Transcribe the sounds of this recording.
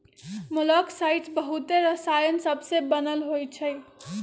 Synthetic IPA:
muləksajʈbʌɦut̪eɾʌsajənsʌbsebənəlɦojt͡ʃʰʌj

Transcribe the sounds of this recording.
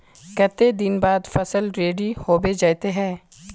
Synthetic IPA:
kɐt̪ed̪ɪnbaːd̪fɐsəlɾeːɖihoːbed͡ʒaːt̪eɦɛ̃ː

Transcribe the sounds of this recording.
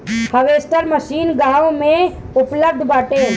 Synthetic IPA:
həʋeːst̪əɾməʃiːnɡãːʋmẽʊpləb̚d̪ʱbaːʈeː

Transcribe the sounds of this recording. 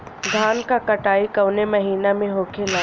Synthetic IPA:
d̪ʱaːnkakɐʈaːikɐwnemɐɦiːnamẽɦoːkʰela

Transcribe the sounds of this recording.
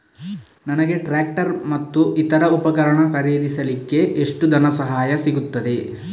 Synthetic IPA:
nɐnɐɡe̞ʈɾaːk̚ʈɐɾmɐt̪ːuʔit̪ɐɾɐupɐkɐɾɐɳɐkɐɾeːd̪isɐlikːe̞ʔeʂʈud̪ʱɐnɐsɐɦaːjɐsiɡut̪ːɐd̪e̞

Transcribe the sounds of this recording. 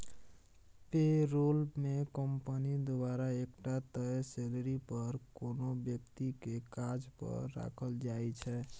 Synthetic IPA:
peɾolmekəmpənid̪obaɾaekʈat̪əselɾipəɾkonobjək̚t̪ikekad͡ʒpə̰ɾːa̰kʰəld͡ʒajt͡ʃʰɛ

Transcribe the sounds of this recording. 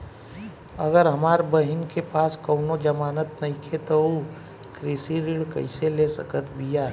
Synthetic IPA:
əɡəɾɦɐmaːɾbəɦɪnkepaːskəʊnod͡ʒəmaːnət̪nɐɦĩkʰet̪ou | kɾisiɾiɽkə̰ɪselesə̰kət̪ʰbijaː

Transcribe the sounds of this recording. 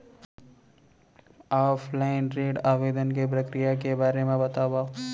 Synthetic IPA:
aːpʰlaːɪnɾeːɖaːʋeːd̪ənkep̬ɾəkɾijak̬ebaːɾemẽbɐt̪aːba

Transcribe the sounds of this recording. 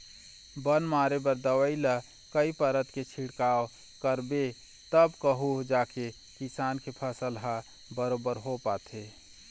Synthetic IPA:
bənmaːɾebəɾd̪əwəilə | kəipəɾət̪ket͡ʃʰiɽkaːw | kəɾbe | t̪əbkəɦud͡ʒaːke | kisaːnkepʰəsəlɦa | bəɾoːbəɾɦopaːt̪e

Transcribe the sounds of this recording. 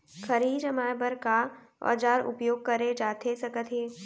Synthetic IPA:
kʰəɾiːd͡ʒəmaːbəɾka | ɔ̰ːd͡ʒaːɾʊ̰pjoːɡ̚kəɾed͡ʒaːt̪ʰesɐkət̪ɦeː

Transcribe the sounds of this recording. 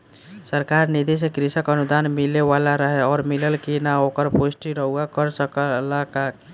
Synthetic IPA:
səɾkaːɾnid̪is̬ekɾisəkənud̪aːnmɪleʋalaɾəɦeɔːɾmɪləlkinaokəɾposʈiɾəɦuakəɾsəklaka

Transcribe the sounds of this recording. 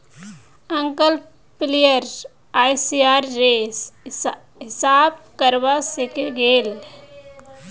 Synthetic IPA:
ə̃ŋkəl | plijəɾ | aːjsiaːɾːeːs | ɦɪsaːb̚kəɾbasekeɡeːl

